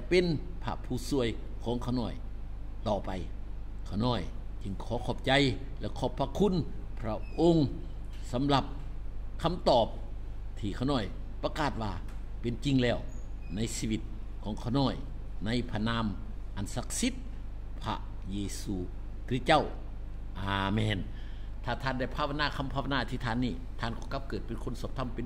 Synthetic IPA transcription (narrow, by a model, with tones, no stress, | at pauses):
t͡ɕa˧˩pe˧˨n | pʰa̰˧pʰuː˧˩su˧˨əj | kʰɔː˨˦ŋkʰa˧˩wnɔː˧˩j | t̪ɔː˨˩pa˨j | kʰa˧˩wnɔː˧˩jt͡ɕɯ˧ŋkʰɔː˨˦kʰɔː˧˩p̚t͡ɕa˧jlɛ˧˩kʰɔː˧˩pʰːa˧kʰu˧˥˨npʰɾa˧ʔo˧ŋ | sa˨˧˦mla˧p̚kʰa˧˥˨mt̪ɔː˨˩p̚t̪ʰiː˧˩kʰa˧˩wnɔː˧˩jpɾa˧kaː˨˩t̪̚waː˧˩pe˨nt͡ɕi˧˨ŋlɛː˧˩wna˧˥˨jsiː˧ʋi˧t̪̚kʰɔː˨˦ŋkʰa˧˩wnɔː˧˩jna˧˥˨jpʰa˧naː˧˥˨mʔa˨nsa˧˦k̚si˧˥t̪̚pʰa̰˧ʔjeː˧suː˧kʰi˧˦t̪̚t͡ɕa˧˥˩wʔaː˨˧mɛː˧˩nt̪ʰaː˧˩t̪ʰaː˧˩˨nda˧˩jpʰaː˧˨wa˧naː˧˨kʰa˧˥mpʰa˧˨wa˧naː˧˨˩t̪ʰiː˧t̪ʰaː˧˩˨nːiː˧˩t̪ʰaː˧˥˨nkɔː˧˦ka˧˥p̚kɤː˨˩t̪̚pe˧˨nkʰo˧˥˨nsɔː˨˧˦p̚t̪ʰa˧˥˨mpe˨n